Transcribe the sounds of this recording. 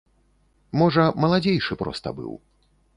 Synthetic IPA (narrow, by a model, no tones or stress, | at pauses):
mɔʐɐmɐlˠad͡zʲejʂɨpɾɔ̰st̪ɐ̰bɨ̰w